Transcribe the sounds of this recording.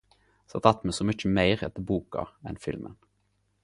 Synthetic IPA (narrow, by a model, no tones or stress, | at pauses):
sɑt̪ʰɑt̪ːmesɔmʏc͡çəmæɪʁɛ̰t̪əbuːkɑ̰ɛ̰nfɪlmə̰n